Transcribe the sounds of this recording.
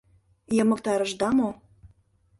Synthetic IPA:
jɤ̆mɤ̆k̚t̪ɑɾɤ̆ʒd̪ɑmo

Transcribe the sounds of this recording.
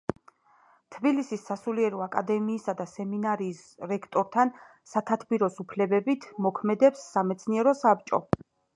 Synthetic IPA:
t̪ʰbilisisːasuliɛɾɔakʼad̪ɛmiːsad̪asɛminaɾiːsɾɛkʰt̪ʼɔɾt̪ʰan | sat̪ʰat̪ʰbiɾɔsupʰlɛbɛbit̪ʰmɔkʰmɛd̪ɛpsːamɛt̪sʰniɛɾɔsap̚t͡ʃʼɔ̰

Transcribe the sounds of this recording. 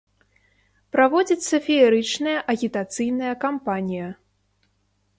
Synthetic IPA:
pɾavɔd͡zʲit̪ʲsɐfʲiɛɾɨt͡ʂnɐjɐʔɐɣʲit̪at̪sɨjnɐjɐkampanʲijɐ

